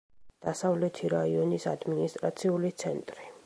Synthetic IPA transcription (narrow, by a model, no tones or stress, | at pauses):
d̪̥asavlɛt̪ʰiɾaiɔnisad̪minist̪ʼɾat̪sʰiulit̪sʰɛnt̪ʼɾi